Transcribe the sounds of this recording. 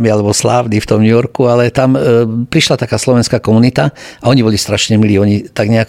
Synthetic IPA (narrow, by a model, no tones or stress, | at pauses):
mialɛbɔsla̰ʊd̪ift̪ɔmɲujɔɾkualɛt̪ampɾiʃlat̪akaːslɔʋɛnskaːkɔmunit̪aaɔɲibɔlist̪ɾaʃɲɛmiliːɔɲit̪aɡɲɛak